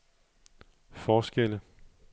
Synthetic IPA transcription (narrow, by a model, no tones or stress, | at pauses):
fɒːsɡ̥el̰ə